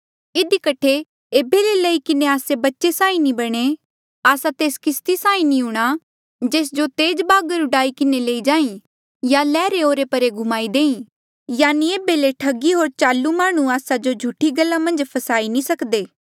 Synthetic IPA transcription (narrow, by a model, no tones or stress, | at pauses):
ɪd̪ikɐʈʰːe | eːbelelɐikɪneaːsebɐtːʃesãːĩnibɐɽ̃e | aːsat̪eːskɪst̪isãːĩnĩʊɽ̃a | d͡ʒeːs̬d͡ʒot̪eːd͡ʒbaːɡəɾʊɖaːikɪneleːid͡ʒãːĩ | jalɛːɾeoːɾepɐɾeɡʱʊmaːid̪eːĩ | jaːnieːbeleʈʰɐɡiɦoːɾt͡ʃaːlːumaːɽ̃ũaːsad͡ʒod͡ʒʱuʈʰiɡɐlːamɐ̃nd͡ʒpʰɐsaːinĩsɐkd̪eː